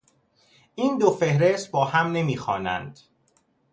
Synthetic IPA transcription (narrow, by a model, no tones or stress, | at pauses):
ʔiːnd̪ofe̞hɾe̞st̪̚bɒːhæmne̞miːxɒːnæ̰nd̪̥